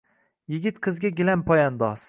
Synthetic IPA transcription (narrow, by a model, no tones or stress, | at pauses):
jɪɡʲɪt̪qʰɨzɡʲaɡʲilanpʰɒjand̪ɒs